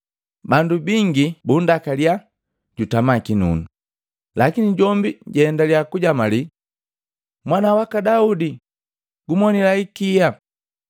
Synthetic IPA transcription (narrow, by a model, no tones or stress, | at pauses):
bandubiŋɡibundakalia | ɟutamakinṵnu | lakiniɟɔmbiɟɛɛndaliakuɟamali | mwanawakadaudi | ɡumɔnilaikija